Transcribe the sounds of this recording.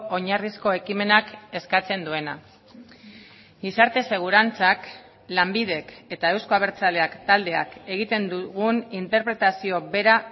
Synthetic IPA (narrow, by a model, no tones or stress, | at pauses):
ʔo̞ɲarisko̞e̞kime̞nake̞skat͡se̞nd̪ue̞na̰ | ɡisaɾt̪e̞se̞ɣ̞uɾant͡sak | lambiðe̞ke̞t̪ae̞wskoaβe̞ɾt͡sale̞akt̪ald̪e̞a̰ke̞ɣ̞it̪e̞nd̪uɣunint̪e̞ɾpɾe̞t̪asio̞βe̞ɾa